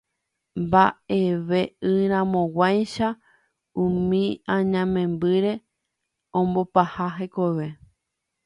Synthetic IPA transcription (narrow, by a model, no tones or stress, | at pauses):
mbae̞ʋe̞ɨɾ̃ãmõ̞wajʃa | ũmĩãɲãmẽ̞mbɨɾe̞ | õ̞mbo̞pahaɦekoʋe̞